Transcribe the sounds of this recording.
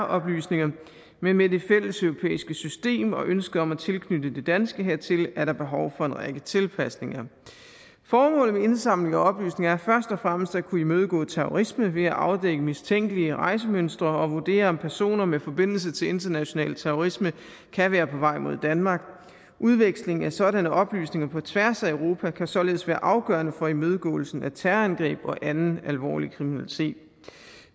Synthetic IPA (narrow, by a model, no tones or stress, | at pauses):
ʔɒ̽b̥ly̰ːsne̝ŋɐ | menmed̥e̝fel̰əsøʊʁo̝pʰḛːisɡ̥əsysd̥e̝̰ːmɒ̽ʔønsɡ̥əɒ̽mæt͡sʰe̝lkʰnyd̥əd̥ed̥ænsɡ̥əɦe̝ɐ̰t͡sʰe̝læɐɾ̥ɑ̈b̥e̝ɦɒʊfɒ̽enʁaɡ̥ət͡sʰe̝lpʰæsne̝ŋɐ | fɒːmɔ̰̽ːlð̩ˠmee̝nsɑ̈m̰leŋɐɒ̽b̥ly̰ːsne̝ŋɐæɐfɶɐsd̥ɒ̽fʁaməsd̥ækʰuimøð̞ˠɡ̥ɔ̰̽ːt͡sʰeʁo̰ʁisməʋe̝æʔɑ̈ʊd̥eɡ̥əmist͡sʰeŋ̰ɡ̥əliəʁɑ̈ɪsəmønsd̥ʁɐɒ̽ʋoɐd̥e̝̰ːɐɒ̽mpʰæɐso̝̰ːnɐmefɒ̽b̥e̝n̰l̩s̬ət͡sʰe̝le̝nd̥ɐnæɕo̝nɛ̰ːlt͡sʰeʁoʁismə | kʰæʋæːɐpʰɒ̽ʋɑ̈ɪ̰mo̝ð̞̰ˠd̥ænmɑ̈ːɡ̥ | ʔuðˠʋeɡ̥sle̝ŋ̩æsɒ̽dænəʔɒ̽b̥ly̰ːsne̝ŋɐpʰɒ̽t͡sʰʋæɐsæøʊʁo̝ːpʰækʰæsɒ̽le̝ðˠsʋæːɐʔɑ̈ʊɡ̥œɐnəfɒ̽imøð̞ˠɡ̥ɔ̰̽ːl̩sn̩æt͡sʰæɐænɡ̥ʁɛ̰ːb̥ɒ̽ʔænn̩ælʋɒ̰ːlikʰʁiminælit͡sʰe̝̰ːd̥